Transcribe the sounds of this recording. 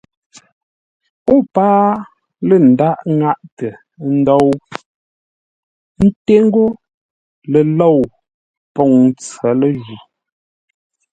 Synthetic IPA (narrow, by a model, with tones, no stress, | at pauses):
o˦paː˦ | lə˦˨n̩˨da˦ʔŋa˦ʔtə˨ | n̩˦dɔ˦w | n̩˦te˦ŋ̩˦ɡo˦ | lə˨lo˦˨w | pɔ˨ŋ˦t͡sə˨˦lə˦ʒi˨